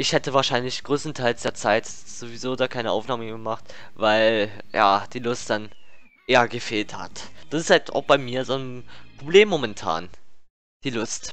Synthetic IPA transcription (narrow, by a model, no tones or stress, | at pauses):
ʔɪçhɛtəvaːɐʃaɪnlɪçɡ̥ʁøːstn̩tʰaɪlsd̥eːɐt͡saɪt | z̥ovizoːdaːkʰaɪnəʔaʊfnaːməɡəmaχt | vaɪl | ja̰ːd̥iːlʊstd̥an | ʔeːɐɡəfeːltha̰td̥asɪsthalta̰ʊxb̥aɪmiːɐzoːnpʁ̥obleːmːomɛntʰa̰ːn | d̥iːlʊst